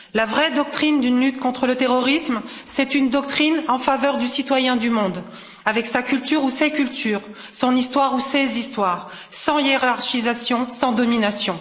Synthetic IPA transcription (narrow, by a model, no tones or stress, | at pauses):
lavʁɛd̪ɔk̚t̪χind̪ynlyt̪kɔ̃t̪χələt̪eʁɔʁism | sɛt̪ynd̪ɔk̚t̪χinɑ̃favœʁd̪ysit̪wajɛ̃d̪ymɔ̃d̪ | avɛksakʲylt̪yʁusekʲylt̪yːʁ | sɔ̃nist̪waʁusezist̪waːʁ | sɑ̃jeʁaʁʃizasjɔ̃sɑ̃d̪ɔminasjɔ̃